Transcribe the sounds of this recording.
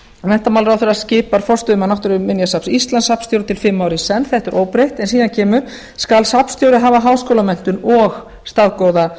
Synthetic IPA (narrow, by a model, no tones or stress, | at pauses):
nɛn̥t̪amawlɾawθɛɾascɪːpaɾ̥fɔrst̪ʏʏmanawht̪ʏɾʏːɪnjasapsist̪lanshapnst̪jowɾʏt̪ʰɪlfɪmːaːwɾisɛnθɛht̪ɛɾʔoːwpɾejht̪ɛnsiːðancʰɛːmʏ | skalsapst̪jowɾɪɦaːvaɦaːwskowlamɛn̥t̪ʏnɔɣ | st̪aðkoːwða